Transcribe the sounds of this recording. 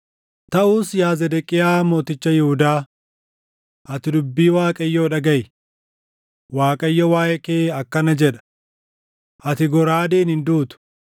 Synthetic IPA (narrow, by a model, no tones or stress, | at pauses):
t̪ɐʔuːsjaːzɛd̪ɛkʼɪjaːmo̞ːt̪ɪt͡ʃːɐjɪhʊd̪aː | ʔɐt̪ɪd̪ʊbːiːwaːkʼɐjːoːᶑɐɡɐj | waːkʼɐjːɔwaːjɛkeːɐkːɐnɐd͡ʒɛᶑɐ̥ | ʔɐt̪ɪɡɔɾaːd̪eːnhɪnd̪uːt̪ʊ̥